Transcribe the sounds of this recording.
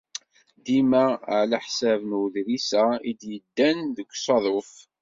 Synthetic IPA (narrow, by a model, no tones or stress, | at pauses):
d̪imæʕlæħsævnwuðɾisæid̪jəd̪ːænðəɡʷsˤɑðˤof